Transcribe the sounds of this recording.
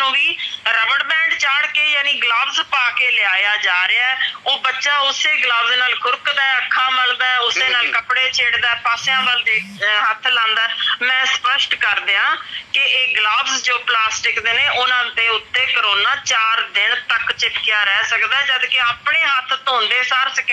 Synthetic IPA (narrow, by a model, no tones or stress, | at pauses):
t̪õːʋiːɾəbəɽbɛ̃ːɳɖt͡ʃaːɽkeːjaːnĩːɡlaːbzpaːkeːlɪaːjaːd͡ʒaːɾeaːɛːoːbətːʃaːʊseːɡlaːbzːnaːlkʊɾkd̪aːɛəkʰːãːməld̪aːɛʊseːnaːlkəpɽeːt͡ʃʰeːɽd̪aːɛːpaːsɪjãːʋəld̪eː | ɦət̪ʰːlãːnd̪aːɛːmɛ̃ːspəʃʈkəɾd̪eːɦãːkɪeːɡlaːbzd͡ʒoːplaːsʈɪkd̪eːneːʔʊnãːd̪eːʊt̪ːeːkəɾoːnaːt͡ʃaːɾd̪ɪnt̪əkt͡ʃɪpkɪjaːɾɛːsəkd̪aːd͡ʒəd̪kɪaːpɳeːɦət̪ʰt̪ɦõːnd̪eːsaːɾsəke